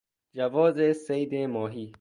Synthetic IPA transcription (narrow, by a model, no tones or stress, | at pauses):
d͡ʒɐʋɔːzeseid̪ẽːmɔːɦiː